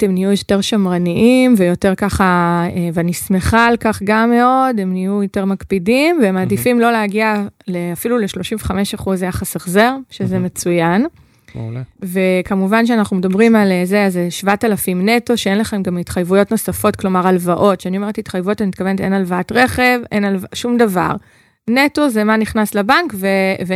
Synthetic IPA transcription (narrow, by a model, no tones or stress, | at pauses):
temnijujote̞ʁʃamʁaniʔimvejo̞te̞ʁkaχaevanismeχalkaχɡamːe̞o̞de̞mnijujote̞ʁmakpidimveemadifimlo̞leaɡialeafiluleʃlo̞ʃimveχame̞ʃaχuzjaχasaχzeʁʃezeme̞t͡sujan | ve̞kamuvanʃ̬eanaχnume̞dabʁimalzeazeʃvatalafimneto̞ʃeenlaχe̞mɡamitχajvujo̞tno̞safo̞tklo̞maʁalvaʔo̞tʃeanioe̞ʁethitχajvujotmit̪̚kave̞nete̞nalvaatʁe̞χe̞ve̞nalvaʃumdava̰ʁ | neto̞zemaniχnaslabankveve